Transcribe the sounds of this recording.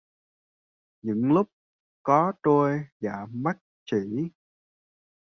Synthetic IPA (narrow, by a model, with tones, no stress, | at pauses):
ɲɨ̰˧˥ŋlʊ˦˥k͡p̚ | kɔ˨˦t̪o˧jza̰ː˧˩ma˦˥t̚t͡ɕḭ˧˩˨